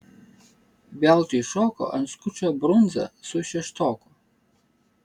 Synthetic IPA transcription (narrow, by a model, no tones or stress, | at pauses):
bʲɛlˠt̪ʊɪʃoːko̰ʔɐnt̪skʊt͡ʃʲobɾʊnzɐ̰sʊʃʲɛʃt̪oːkʊ